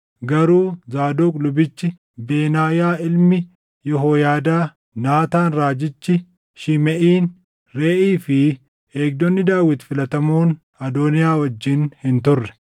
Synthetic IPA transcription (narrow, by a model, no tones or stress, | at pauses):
ɡɐɾuːzaːd̪oːkʼlʊbɪt͡ʃːɪ | beːnaːjaːʔɪlmɪ | jɔɦoːjaːd̪aː | naːt̪aːnɾaːd͡ʒɪt͡ʃːɪ | ʃɪmɛʔiːn | ɾeːʔiːfɪ | eːɡ̚d̪ɔnːɪd̪aːwɪt̪fɪlɐt̪ɐmoːn | ɐd̪oːnɪjaːwɐd͡ʒːɪnhɪnt̪ʊrːɛ̥